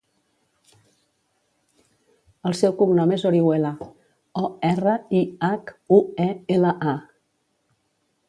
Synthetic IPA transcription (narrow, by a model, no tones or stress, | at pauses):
əlˠsɛwkuŋnɔmezoɾiwela | ɔɛrəiakuɛeləʔa